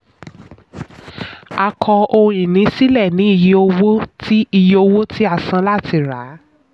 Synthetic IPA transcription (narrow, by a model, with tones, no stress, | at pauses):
a˨kʰɔ˧o˧ũ˧ĩ˨nĩ˨˦si˦lɛ˦˨nĩ˨˦i˧je˦o˧wo˦ti˦i˧je˦o˧wo˦tʰi˦a˦˨sã˧la˦˨tʰi˧˦˨ɾa˨˦